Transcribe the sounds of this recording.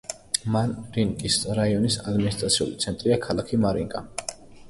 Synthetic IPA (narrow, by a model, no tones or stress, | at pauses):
manɾiŋkʼisɾaiɔnisad̪minist̪ʼɾat̪sʰiṵlit̪sʰɛnt̪ʼɾiakʰalˠakʰimaɾḭŋkʼa